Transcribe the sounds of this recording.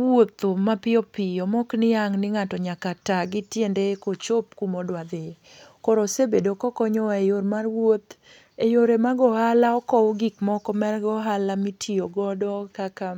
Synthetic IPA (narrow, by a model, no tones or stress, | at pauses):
wot̪omapɪɔpɪjɔmɔknɪjaŋnɪŋatɔɲakataɡɪtjendekot͡ʃop̚kumodwad̪ɪ | kɔɾɔsebedokɔkɔɲɔejormarwot̪ | ejoɾemaɡɔhalaɔkɔɡikmɔkɔmɛrɡɔɦalamitʰioɡɔdɔkaka